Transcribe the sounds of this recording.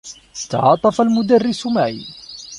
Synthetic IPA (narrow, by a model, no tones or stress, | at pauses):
st̪ɑ̰ʕɑːt̪ˤɑfalmʊd̪arːisumaʕḭ